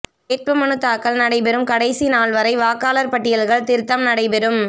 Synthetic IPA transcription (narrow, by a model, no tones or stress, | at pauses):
eːʈ̚pɯmɐnɯt̪ːaːkːɐɭnɐɽɐɪpɛɾɯmkɐɽɐɪsinaːɭʋɐɾɐɪʋaːkaːlɐɾpɐʈːɪjɐlɣɐɭt̪ɪɾt̪ːɐmnɐɽɐɪpɛɾɯm